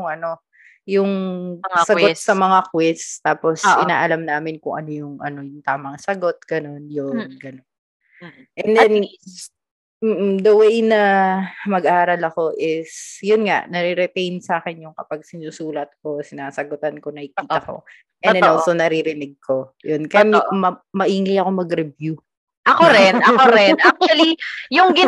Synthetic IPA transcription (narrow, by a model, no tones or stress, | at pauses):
jʊŋʔɐno̞ | jʊŋsɐosɐmɐŋakwɪst̪aːpo̞sʔɪna̰ːʔɐlamnaːmɪnkʊŋʔɐno̞jʊŋʔɐ̰no̞jʊŋt̪aːmɐŋsɐɡo̞t̪̚ɡ̥ɐno̞njʊnɡɐnon | ʔɛnd̪ɛn | ʔ̩d̪ɐwejnɐmɐɡʔaːɾɐlɐko̞ʔɪsjʊnŋa̰ʔnɐɾiɾɛt̪ejnsɐaːkɛnjʊŋkɐpaɡ̚sɪnusuːlɐt̪̚ko̞sɪnaːsɐɡot̪ɐnko̞nɐkikiːɐko̰ | ʔɛnd̪ɛnosonɐɾiɾɪnɪɡ̚kʰo̞jonkɐjammɐmɐʔiːŋɪjɐko̞mɐɡɾɛbju | ʔɐkoɾɪnʔɐoɾɪnʔak̚twɐlijʊŋɡɪ